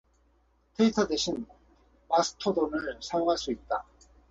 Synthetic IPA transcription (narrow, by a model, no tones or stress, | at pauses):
tʰeitʰadeɕʰin | masʰɯ̥tʰodonɯɭsʰajoŋɦaɭs͈uit̚t͈a